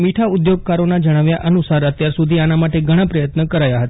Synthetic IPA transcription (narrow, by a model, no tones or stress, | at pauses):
miʈʰaud̪joɡ̚kaɾonad͡ʒəɽ̃aʋjaʔənusaɾət̪jaɾsud̪ʱianamaʈeɡʱəɽ̃ãpɾəjət̪nəkəɾajaɦət̪a